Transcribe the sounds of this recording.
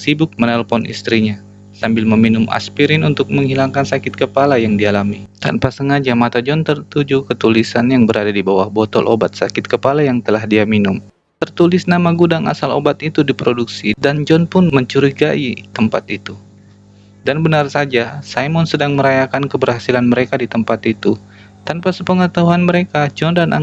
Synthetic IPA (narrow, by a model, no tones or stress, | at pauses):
sibʊk̚mənɛlfɔnḭst̪ɾiɲa | sambɪlməminʊma̰spiɾɪnunt̪ʊk̚məŋɦilaŋkansakɪt̪̚kəpalajaŋdialamit̪a̰npasəŋad͡ʒamat̪ad͡ʒɔnt̪ərt̪ud͡ʒukət̪ulisanjaŋbəɾadadibawahbɔt̪ɔ̰lʔo̰bat̪̚sakɪt̪̚kəpalajaŋt̪əlahdiaminʊm | t̪ərt̪ulɪsnamaɡudaŋa̰salo̰bat̪it̪udipɾoduksidand͡ʒɔnpʊnməɲt͡ʃuɾiɡaʔit̪əmpat̪it̪u | danbənarsad͡ʒasajmɔnsədaŋməɾajakankəbərhasilanməɾekadit̪əmpat̪it̪u | t̪anpasəpəŋət̪aɦuanməɾekad͡ʒɔndana̰